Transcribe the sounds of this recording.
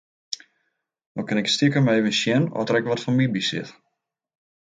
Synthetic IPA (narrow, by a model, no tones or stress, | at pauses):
dɔkɪnɛkstikəmɛevənʃjɛnɔ̰dərɛkʋɔtfɔnmibisɪ̰t